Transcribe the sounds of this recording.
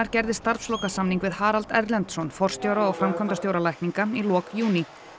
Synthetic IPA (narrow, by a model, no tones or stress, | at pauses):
aɾcɛɾðɪst̪aɾ̥fslɔwkasamniŋkvɪðhaːɾalt̪ɛ̰ɾlɛnt̪sɔnfɔr̥st̪jowɾaɔɣfɾamkʰɔmnt̪ast̪joːwɾalajkniŋkailɔːkjuːni